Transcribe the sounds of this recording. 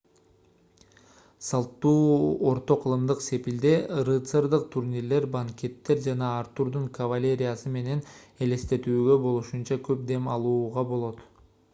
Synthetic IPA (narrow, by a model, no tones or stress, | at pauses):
sɑlˠt̪ːuːo̞ɾt̪o̞qʰɯlˠɯmd̪ɯqse̞pild̪erɨt̪seɾd̪ɯq̚t̪ʰuɾnʲiɾle̞ɾbaŋkʲe̞t̪ːe̞ɾd͡ʒɑnɑːɾt̪uɾd̪uɴkɐvalʲe̞ɾʲijasɯme̞ne̞ne̞le̞st̪e̞t̪yːɡø̞bo̞lˠuʃunt͡ʃɑkø̞p̚d̪e̞mɑlˠuːʁɑbo̞lˠo̞t̪